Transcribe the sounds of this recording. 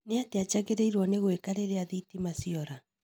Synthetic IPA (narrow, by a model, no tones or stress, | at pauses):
neateat͡ʃaɣeɾeiɾwɔneɣwekaɾeɾeaðitimasiɔɾa